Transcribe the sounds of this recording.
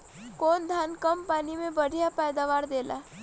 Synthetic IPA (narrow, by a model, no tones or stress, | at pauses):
kond̪ʱankəmpanimẽbəɽ̤japəjd̪aʋaɾd̪ela̰